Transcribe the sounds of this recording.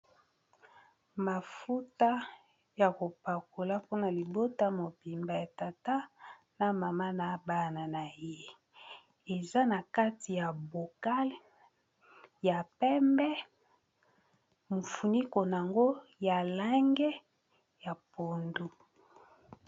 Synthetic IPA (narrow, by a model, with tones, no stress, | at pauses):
ma˨fu˦ta˦ | ja˨ko˨pa˨ko˨la˦po˦na˨li˨bo˦ta˦mo˨bi˨mba˨ja˨ta˨ta˦ | na˨ma˨ma˦na˨˦ba˦na˨na˨je˦ | e˨za˦na˨ka˦ti˨ja˨bo˨ka˦l | ja˨pɛ˦mbɛ˦ | mo˨fu˨ni˦ko˨n˨a˨ŋɡo˦ja˨la˦ŋɡɛ˦ | ja˨po˨ndu˦